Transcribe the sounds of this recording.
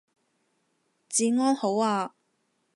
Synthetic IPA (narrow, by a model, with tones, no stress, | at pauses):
t͡siː˨˧ŋɔː˥nho˨˥waː˧